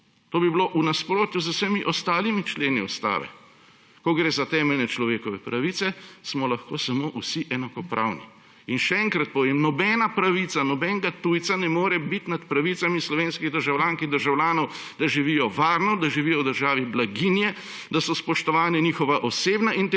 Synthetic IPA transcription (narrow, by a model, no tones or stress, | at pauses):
t̪oːbibiloʔunaspɾoːt̪juzəwsəmiʔɔst̪aːlimit͡ʃleːniust̪a̰ːʋɛ̰ | kɔɡɾeːzat̪ɛːmɛlnɛt͡ʃlɔʋeːkɔʋɛpɾaʋit̪sɛsmɔlaxkoːsamoʔusiʔɛnakɔpɾʔa̰wnḭ | inʃɛɛŋkɾat̪̚pɔʋemnɔbɛːnapɾaʋit̪sanɔbɛŋɡat̪ujt̪sanɛmoːɾɛbit̪nat̪pɾaʋit̪samislɔʋeːnskiɣd̪əɾʒawlʲjaːŋkiɣd̪əɾʒawlʲjaːnɔw | d̪aʒiʋiːjɔʋaːɾnɔd̪aʒiʋiːjɔwd̪əɾʒaːʋiblaɡinjɛ | d̪asɔspɔʃt̪ɔʋaːnɛniːxɔʋaʔɔseːbnaʔint̪